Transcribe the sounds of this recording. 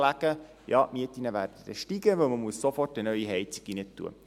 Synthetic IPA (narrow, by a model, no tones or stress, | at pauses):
læɡ̥ə | jɑːʔmiətinəʋæːrdəd̥ɛ̰ʃtiɡəʋɵlməmuəssofɔrtənœʏiɦɛjt͡si̥ɡ̥inətːṵə̰